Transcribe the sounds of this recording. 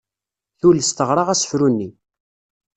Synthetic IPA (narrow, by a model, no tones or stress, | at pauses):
θuləst̪əʁɾˤɑʁæsə̥fɾunːi